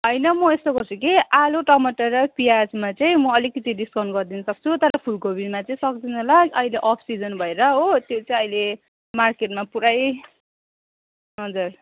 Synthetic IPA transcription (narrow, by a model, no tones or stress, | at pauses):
ɦʌjnʌmʌest̪oɡʌrt͡sʰukiʔaloʈʌmʌʈʌɾʌpiad͡zmat͡sʌĩmʌʌlikːʌt̪iɖiskʌwnɡʌrd̪inʌsʌk̚t͡sʰut̪ʌɾʌpʰulkobimat͡sʌĩsʌk̚d̪inolaʌileʔʌpʰsid͡zʌnbʱʌeɾʌɦot̪jot͡saĩʌjle | markeʈ̚mapuɾaj | ɦʌd͡zʌr